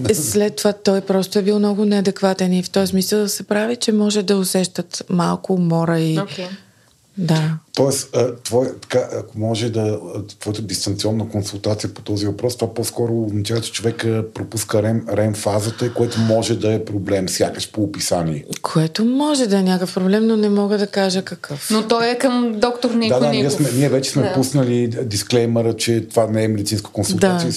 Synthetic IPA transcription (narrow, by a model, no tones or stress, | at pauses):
slɛt̪ːovat̪ɔjpɾɔst̪oɛbilˠmnɔɡʊnɛɐd̪ɛkvat̪ɛnift̪ɔjsmisəlˠd̪ɐsɛpɾavit͡ʃɛmɔʒɛd̪ɐʊsɛʃt̪ət̪malˠkʊmɔɾəiok | d̪at̪ɔɛsət̪vɔjt̪ɐ̥kaʔɐkomɔʒɛd̪ɐt̪vɔjət̪əd̪ist̪ɐnt̪siɔnːəkonsulˠt̪at̪sijəpo̥t̪ɔzivɐpɾɔst̪ovapɔskɔɾoːznɐt͡ʃavət͡ʃɛ̥t͡ʃovɛkəpɾopuskəɾɛmɾɛnfazət̪əikoɛt̪omɔʒɛd̪ɐɛpɾoblɛmsʲjakəʃpoːpisaniɛkʰoɛt̪omɔʒɛd̪ɐɛnʲakəfpɾoblɛmnonɛmɔɡəd̪ɐkaʒəkɐkʰɤfnot̪ɔjɛkəmd̪ɔkt̪oɾnid̪ad̪aniɛsmɛniɛvɛt͡ʃɛsmɛpusnəlid̪isklɛjməɾət͡ʃɛt̪ovanɛɛmɛd̪it̪inskə̥konsulˠd̪aijə